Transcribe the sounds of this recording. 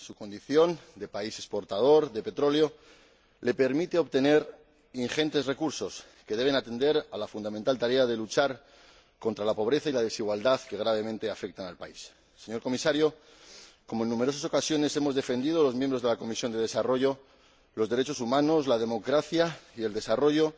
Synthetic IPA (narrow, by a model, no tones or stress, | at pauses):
suko̞nd̪iθjo̞nd̪e̞paise̞spo̞ɾt̪aðo̞ɾðe̞pe̞t̪ɾo̞leo̞ | le̞pe̞ɾmit̪e̞o̞βt̪e̞ne̞ɾ | iŋxe̞nt̪e̞zre̞kuɾso̞s | ke̞ðe̞β̞e̞nat̪e̞nd̪e̞ɾalafund̪ament̪alt̪aɾe̞að̞e̞lut͡ʃaɾ | ko̞nt̪ɾalapo̞βɾe̞θailað̞e̞siɣwald̪aðke̞ɣ̞ɾaβ̞e̞mẽnt̪e̞afe̞k̚t̪analpaisː | e̞ɲo̞ɾko̞misaɾjo̞ | ko̞moenːume̞ɾo̞saso̞kasjo̞ne̞se̞mo̞zðe̞fe̞nd̪iðo̞lo̞zmjẽmbɾoð̞e̞lako̞misjo̞nd̪e̞ð̞e̞saro̞ʝo̞ | lo̞zðe̞ɾe̞t͡ʃo̞sumãno̞zlaðe̞mo̞kɾaθjaie̞ld̪e̞saro̞ʝo̞